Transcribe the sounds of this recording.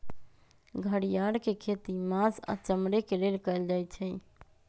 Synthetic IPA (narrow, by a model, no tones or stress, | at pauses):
ɡʱəɽijaɽkekʰet̪imasa̰t͡ʃəmɽekelelkəjld͡ʒajt͡ʃʰɛ